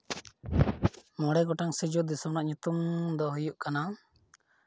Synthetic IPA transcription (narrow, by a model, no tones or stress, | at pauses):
mɔɽɛɡɔʈaŋsid͡ʒud̪isumnaʔɲut̪umd̪ɔɦujuʔkana